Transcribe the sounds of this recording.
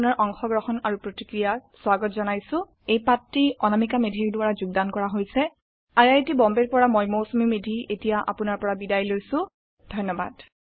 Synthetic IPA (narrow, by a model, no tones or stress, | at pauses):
naɹʔɔŋxɔɡɹɔxɔnaɹupɹotikɹijaswaɡɔtzɔnajsʊ̃ | ejpatɹiɔnamikamedʱiɹduaɹazuɡ̚dankɔɹaɦojsɛ | aɹajtibɔmbeɹpɔɹamɔjmowsumimedʱietijaʔa̰punaɹpɔɹabidajlojsʊ̃ | dʱɔjnːɔba̰d̥